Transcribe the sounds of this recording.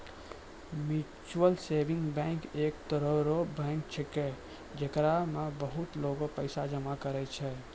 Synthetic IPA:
mu | t͡ʃuəlseːbɪ̃ŋɡbɛ̃ŋkeːkt̪əɾəɾobə̃ŋkt͡ʃʰəkɛ | d͡ʒekɾamebəɦʊt̪loːɡopəɪsad͡ʒəmakəɾɛt͡ʃʰɛ

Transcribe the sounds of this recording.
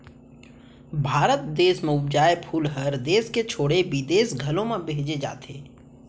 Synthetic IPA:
bʱaːɾət̪d̪eːsmẽʊbd͡ʒaːepʰuːlɦəɾd̪eːsket͡ʃʰoːɽeʋid̪eːsɡʱɐlõmẽbeɦd͡ʒed͡ʒa̰ːt̪eː

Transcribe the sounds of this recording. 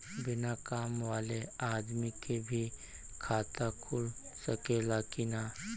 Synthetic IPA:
bɪnakaːmʋaːleaːd̪mikebʱi | kʰaːt̪akʰʊlsɐkeːlaːkinaː

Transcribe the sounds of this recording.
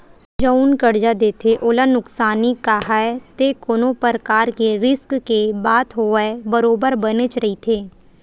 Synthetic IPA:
d͡ʒəwnkəɽd͡ʒad̪eːt̪ʰeʔoːlanʊksaːnikaːɦaet̪ekoːnopəɾəkaːɾkeɾɪskkebaːt̪ʰɦoːəebəɾoːbəɾbənet͡ʃɾɐit̪ʰeː

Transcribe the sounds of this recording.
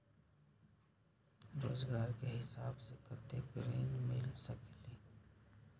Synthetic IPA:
ɾoːzɡaːɾkeɦɪsaːbsekɐt̪ekɾḛːnmɪlsəkliː

